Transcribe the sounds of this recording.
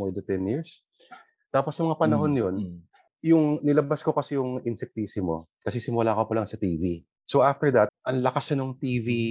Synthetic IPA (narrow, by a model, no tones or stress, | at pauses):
mɔɹd̪ɐt̪ɛnjiɹs | t̪aːposjɐmɐŋapɐnɐɦo̞njo̞n | jʊŋnɪlɐbasko̞kɐsɛjʊŋɪnsɛk̚t̪iːsɪmo̞̰kɐsɛsɪmʊlaːkopɐlɐŋsɐt̪iːvi | soʔaft̪ɛɹd̪ɐt̪̚ʔɐŋlɐkasɐnoŋt̪iːvi